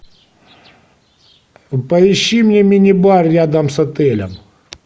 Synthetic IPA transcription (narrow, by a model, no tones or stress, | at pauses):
pɐɪɕːimnʲemʲinʲɪbarːʲad̪ɐmsɐt̪ɛlʲɛm